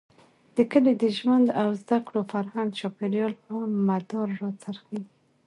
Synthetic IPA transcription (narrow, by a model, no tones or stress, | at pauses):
d̪̥əkəled̪əʒwand̪awzd̪akɽofaɾhand̪t͡ʃɑpeljɑlpamad̪ɔɾːot͡saɾxa